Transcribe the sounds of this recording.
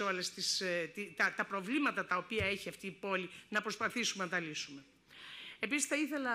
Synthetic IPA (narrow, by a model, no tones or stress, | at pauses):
o̞lest̪ist̪it̪ɐt̪ɐpɾo̞vlimɐt̪ɐt̪ɐo̞piɐe̞çiɐft̪iːpo̞linɐpɾospɐθisumenɐt̪ɐlisume̞ | e̞pisisθɐiθe̞lɐ